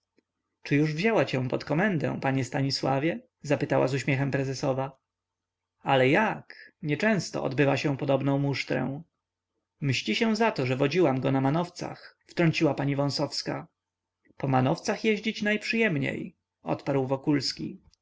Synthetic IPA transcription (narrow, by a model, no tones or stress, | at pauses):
t͡ʂɘjuʐvʑawat͡ɕɛ̃pɔt̪kɔmɛnd̪ɛ̰̃w̃paɲɛst̪aɲiswavʲjɛ | zapɘt̪awa̰zuɕmʲɛxɛmpɾɛzɛsɔva | alɛjakɲɛt͡ʂɛ̃w̃st̪ɔ̰ɔ̰d̪bɘvaɕɛ̃pɔd̪ɔbnɔ̃w̃muʂt̪ɾɛ̰̃w̃ | mɕliɕɛw̃zat̪ɔʐɛvɔd͡ʑiwamɡɔnamanɔft̪sa̰xft̪ɾɔɲʲt͡ɕiwapaɲivɔ̃w̃sɔfska̰ | pɔmanɔft̪saxjɛʑd͡ʑit͡ɕnajpʂɨjɛmɲḛj | ɔ̰t̪paɾwvɔkulskʲḭ